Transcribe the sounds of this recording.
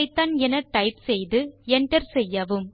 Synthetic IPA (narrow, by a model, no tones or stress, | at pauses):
ɪt̪ːaːnɛnɐʈɐɪpsɛjðɯɛɳʈɐɾsɛjːɐʋɯm